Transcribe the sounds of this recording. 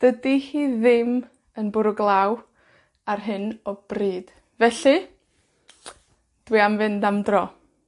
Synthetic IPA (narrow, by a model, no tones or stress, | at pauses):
d̥ədihiːðɪm | ənbʊɾʊɡlˠaw | arɦɨnɔb̥riːd̥ | vɛɬɨ | d̥wiamvɨndamdrɔ